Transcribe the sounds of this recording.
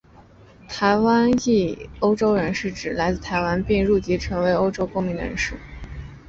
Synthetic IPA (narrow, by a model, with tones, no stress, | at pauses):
t̪ʰa˧˥ɪwa˥ni˥˩o˥ʊʈ͡ʂo˥ʊɻə˧˥nʂɻ̩˥˩ʈ͡ʂɻ̩˨˩la˧˥ɪt͡sɹ̩˥˩t̪ʰa˧˥ɪwa˥npi˥˧ŋɻu˥˩t͡ɕi˧˥ʈ͡ʂʰɤ˧˥ŋwe˧˥ɪo˥ʊʈ͡ʂo˥ʊkʊ˥ŋmi˧˥nɻə̰˧˥nʂɻ̩˥˩